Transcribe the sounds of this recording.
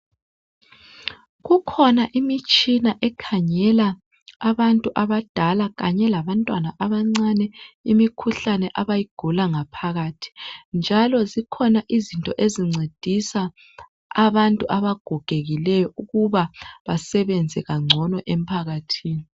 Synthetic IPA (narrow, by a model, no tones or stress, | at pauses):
ɣukʰɔnaʔimit͡ʃʼinaʔɛkʰaɲɛlaː | βantʼuʔaβad̥ʱalaɣaɲɛlaβantʼwanaʔaβaŋ͡ǀanɛimikʰuɬanɛʔaβajiɡ̥ʱulaŋapʰaɣatʰi̥nd͡ʒʱalɔzikʰɔnaʔizintʼɔʔeziŋ͡ǀed̥ʱisaː | βantʼuʔaβaɡ̥ʱɔɡ̥ʱeɣilɛjɔuɣuβaβasɛβɛnd͡zʱɛɣaŋ͡ǀʱɔnɔʔem̩pʰaɣatʰiːni